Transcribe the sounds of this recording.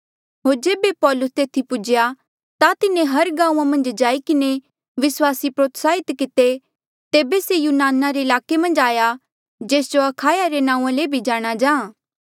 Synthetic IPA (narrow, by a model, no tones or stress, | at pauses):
ɦoːɾd͡ʒeːbepɔːlʊst̪eːt̪ʰipʊd͡ʒja | t̪at̪ɪnẽɦɐɾɡãːũãmɐ̃nd͡ʒd͡ʒaːikɪne | ʋɪswaːsipɾoːt̪saːɪt̪kɪt̪e | t̪eːbesejuːnaːnaɾeɪlaːkemɐ̃nd͡ʒaːja | d͡ʒeːsd͡ʒoɐkʰaːjaɾenãːũãlebʱid͡ʒaːɽ̃ad͡ʒãː